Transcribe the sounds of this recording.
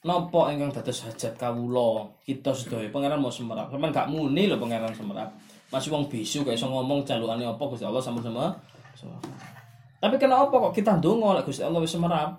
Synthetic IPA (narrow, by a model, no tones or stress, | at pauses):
nɔpɔiŋkaŋd̪̥a̤d̪̥ɔ̤sɦad̥ʒ̥a̤t̪̚kawulɔkit̪ɔsəd̪̥ɔ̤jɔpəŋeɾanmawsəməɾa̰p̚samənŋɡaʔmunilɔpəŋeɾansəməɾa̰p̚ | masiwɔŋb̥isukajsɔŋɔmɔŋd͡ʒaluaniɔpɔɡ̥u̥st̪iɔlːɔhsampənsəmə | səma̰f | t̪apikənaʔɔpɔkɔʔkit̪and̪oŋɔlɛʔɡ̥ust̪iɔlːɔhwɪsəməɾap̚